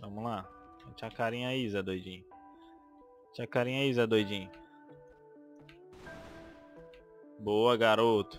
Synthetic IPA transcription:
vɐ̃mʊlã | t͡ʃakaɾĩãizɐd̪ojd͡ʒĩ | t͡ʃakaɾĩãizɐd̪ojd͡ʒĩ | boɐɡaɾot̪ʊ̥

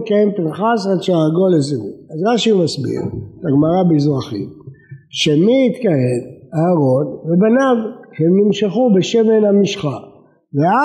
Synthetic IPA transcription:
tkajempinχasadʃaʁaɡoleziṵazʁaʃimasbḭʁet̪aɡmaʁabizʁaχḭmʃemiːt̪kajemahaʁo̞nvebanavhemnimʃaχubeʃevenhamiʃχa | vea

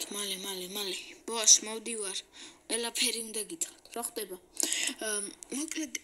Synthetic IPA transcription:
t̪ʰmalɛmalɛmalɛb̥ɔaʃmɔwd̪ivaɾqʼwɛlapʰɛɾiund̪aɡit̪sʼχat̪ʰɾaχd̪ɛba | mɔkʰʼlɛd̪

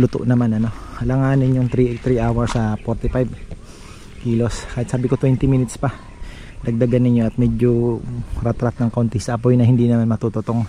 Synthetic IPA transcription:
lʊt̪o̰ʔnɐmanɐno̞ɐlɐŋaːnɪnjoŋt̪ɾit̪ɾiʔawɐɹsɐpoɾt̪ɪpajb | kiːlo̞skaːhɪt̪̚saːbɪkot̪wɛnt̪ɪminɪt̪spɐ | d̪ɐɡ̚d̪ɐɡanːɪɲjo̞ʔɐt̪̚mɛd͡ʒoɾɛt̪ɾat̪̚nɐŋkont̪ɪsɐʔɐpojnɐhɪnd̪inɐmanmɐt̪ut̪ʊt̪oŋ

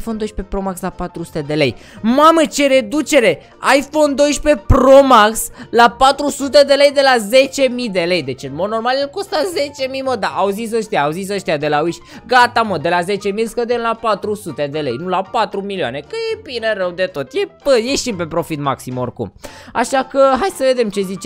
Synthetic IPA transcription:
fo̞nd̪o̞jʃpe̞pɾo̞makslapat̪ɾusu̥t̪e̞d̪e̞le̞jmamət͡ʃe̞ɾe̞d̪ut͡ʃe̞ɾe̞ | ajfo̞nd̪o̞jʃpe̞pɾomakslapat̪ɾusut̪e̞d̪e̞le̞jd̪e̞laze̞t͡ʃe̞mid̪e̞le̞jd̪e̞t͡ʃɨnmo̞d̪no̞rmaljelko̞st̪aze̞t͡ʃe̞miməd̪aʔawzis̬əʃt̪ijaːwuzis̬əʃt̪ijad̪e̞laujʃʲ | ɡat̪aməd̪e̞laze̞t͡ʃe̞milskəd̪enlapat̪ɾusut̪e̞d̪e̞le̞̰jnulapat̪ɾumilioa̰ne̞kəjebineɾəwd̪e̞t̪o̞t̪jebəje̞ʃimpe̞pɾo̞fit̪ma̰ksimorkṵma̰ʃakəɦajsəve̞d̪e̞mt͡ʃe̞zit͡ʃe

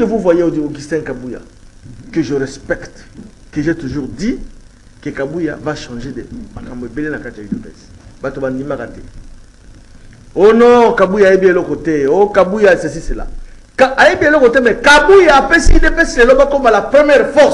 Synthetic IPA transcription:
evovwajeodioɡistɛ̃nkabuja̰ | kəʒəʁɛspɛkt | keʒɛtuʒuʁdi | kekabuja̰vaʃɑ̃ʒedḛmakamboebelenakatiidokɛ̰̃s | batobandimakatɛ̰ | onɔ̃kabujaːjebielɔkɔtɛokabujasɛsisela̰ | kaajebielɔkotɛmɛkabujaːpesiidepɛsilelɔkakomalapʁɛmjɛʁfɔʁs

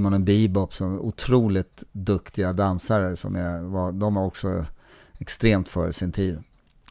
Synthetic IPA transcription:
manɛnbiːbɔpsɔmʊt̪ʰɾuːlɪt̪d̪ɵkt̪ɪɡad̪ansaɾəsɔ̰mɛvad̪ɔmhaɾɔksɔ̰ | ɛkst̪ɾeːmt̪fœ̰ːɾsɪnt̪ʰiːd̪

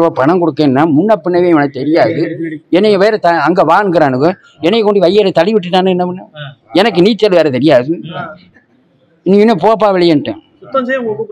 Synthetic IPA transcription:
ʋɐpɐɳɐŋkɔɽɯkːẽːnːaːmʊnːɐpːɪɳːɐʋeːʋɐnɐkɯt̪ɛɾɪjaːðɯɛnːɐjʋeːɾɐt̪ɐɐŋɡeʋaːɳɡɪɾaːnɯkːɯ | ɛnːɛjkɔɳɖiʋɐjːɐlɐt̪ɐlɪʋɪʈ̬ːɯʈːaːnɯɛnːɐpɪnːɐɛnɐk̬ːɯniːt͡ʃːɛlʋeːɾɐt̪ɛɾɪjaːðɯ | ɪnːɪŋɪnːɐ̃poːp̬ːaːʋɪɭɪjɐnʈːɯ̰̃

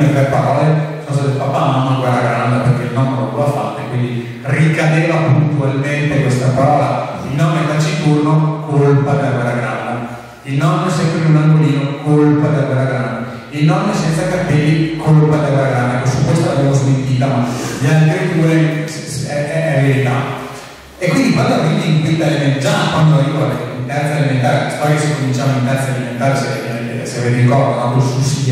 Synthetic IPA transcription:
et̪ɾepaɾɔːlesonost̪at̪efapːananaŋkwɛɾːaɡɾaand̪aperkeilnɔmkɔlt̪oafːa̰t̪ːoekːwind̪i | rikad̪eːvapunt̪ualment̪ekwest̪apaɾɔːla | ilnɔːmed̪at͡ʃit̪urnokolpad̪akwɛɾaɡɾand̪a | ilnɔmːesɛpːɾimunamoliːnokolpad̪akwɛɾaɡɾand̪a | ilnɔmːesɛnt̪sakapilːikʰolpad̪akwɛlːaɡɾanːaɛkːosupːest̪alabɛmozment̪iːt̪amalalt̪ɾet̪uːɾe | ɛɛɛvealit̪a | ekwind̪ikwand̪oviniiŋkint̪aimend͡ʒakwand̪oaɾivaleint̪ɛɾt̪ad̪eliment̪̬aːɾelast̪ɔɾjasikːomidit͡ʃamoint̪ɛɾt̪salimẽnt̪aːɾese | sevirikɔɾd̪oakosusi

